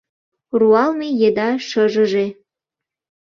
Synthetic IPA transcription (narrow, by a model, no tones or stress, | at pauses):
ruɑlmejed̪ɑʃəʒə̆ʒe